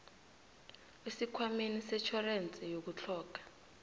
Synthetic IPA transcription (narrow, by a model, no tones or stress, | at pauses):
isikʰwamenisɛt͡ʃʰɔrent͡sʼɛjok̬ut͡ɬʰɔːk̬ḁ